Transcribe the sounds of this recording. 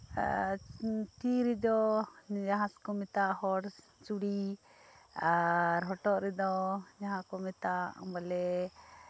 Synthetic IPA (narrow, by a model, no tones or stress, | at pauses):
t̪iɾid̪ɔd͡ʒaɦãskɔmɛt̪aʔhɔɾ | t͡ʃuɽi | aɾɦɔʈɔʔɾɛd̪ɔd͡ʒaɦãkɔmɛt̪a̰balɛ